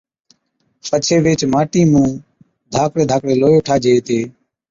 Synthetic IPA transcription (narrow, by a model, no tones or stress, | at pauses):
fət͡ʃʰeːʋeːt͡ʃmaːʈiːmũː | d̪ʱaːkɽeːd̪ʱaːkɽeːloːjoːʈʰaːd͡ʒʱeːt̪eː